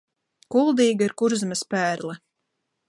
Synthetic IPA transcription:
kulˠd̪iːɡaiɾkuɾzmɨspæːɾlɛ

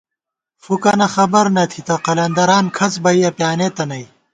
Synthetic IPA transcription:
fukɐnɐxɐbɐɾnɐt̪ʰit̪ɐqɐlɐnd̪ɐɾaːnkʰɐsbɐiɐpjaːnet̪ɐnɐi

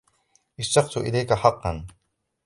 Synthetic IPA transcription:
ʔɪst̪ɑqt̪ʊʔɪlejkaħɑqːɑn

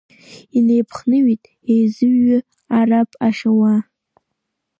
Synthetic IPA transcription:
ine̞jpʰχnɨɥitʼ | ejzɨɥːʏ | arapʼaʂawa

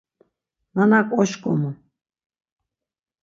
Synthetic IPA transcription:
nanakʷʼɔʃkʼɔ̰mu

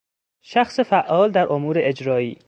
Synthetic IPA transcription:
ʃæxsefæʔːɒːld̪æɾʔomuːɾeʔed͡ʒɾɒːiː

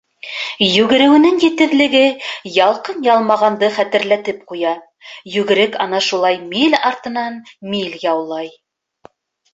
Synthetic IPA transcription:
jʉɡɘ̆ɾɘ̆wɘ̆nɘŋjɘ̆t̪ɘ̆ðlɘ̆ɡɘjɑlˠqɤnjɑlˠmɑʁɑnd̪ɤχæt̪ɘ̆ɾlæt̪ɘp̚qujɑ | jʉɡɘ̆ɾɘkɑnɑʃulˠɑjmilɑɾt̪ɤ̆nɑnmilʲjɑwlˠɑj

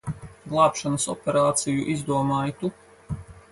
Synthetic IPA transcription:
ɡlˠaːpʃanasopeɾaːt̪sijuʔizd̪uɔmaːjit̪u

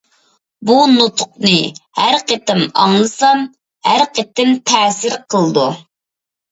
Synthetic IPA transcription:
bunot̪ʰʊ̥q̚nɨhæɾqət̪ɪmɑŋlˠɨsɑm | hæɾqʰət̪ɪmt̪ʰɛːsɪɾqʰəlˠɨd̪u

